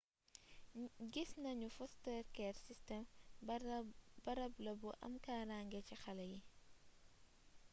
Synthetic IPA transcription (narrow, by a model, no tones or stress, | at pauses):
ɡisnɐɲufɔstɛːɾkɛːrsistɛm | bɐɾɐblɐbuʔɐ̰mkaːɾaːŋɡɛcixɐlɐji